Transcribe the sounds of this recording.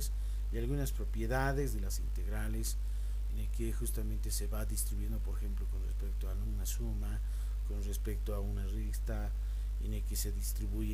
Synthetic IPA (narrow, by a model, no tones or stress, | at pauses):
s | ialɣunaspɾo̞pje̞ðaðe̞zðe̞lasint̪e̞ɣɾales | enelkexust̪amẽnt̪e̞se̞βaðist̪ɾiβje̞nd̪o̞po̞ɾexe̞mplo̞ko̞nrespek̚t̪oalunasuma | ko̞nrespe̞kt̪oaunarist̪a | enelke̞se̞ðist̪ɾiβuʝe